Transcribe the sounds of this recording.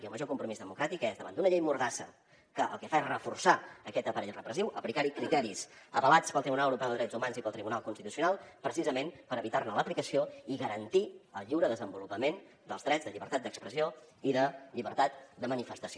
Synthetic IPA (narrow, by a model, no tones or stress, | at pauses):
kiəlˠməʒokumpɾumizðəmukɾat̪ikɛzðəβa̰nd̪unəʎejmuɾðasə̰ | kəʔəlˠkəfaesrəfursaəkɛt̪əpəɾɛʎrəpɾəziwʔəplikaɾikɾit̪ɛɾisəβəlat͡spəlˠt̪ɾiβunalˠəwuɾupɛwðəðɾɛzumanzipəlˠt̪ɾiβunalˠkunst̪it̪usiunalˠpɾəsizəmenpəɾəβit̪arnələplikəsioiɣəɾənt̪iəlˠʎiwɾəðəzəmbulupəmen | d̪əlzðɾɛzðəʎiβəɾt̪at̪d̪əkspɾəsio | iðəʎiβəɾt̪at̪d̪əmənifəst̪əsio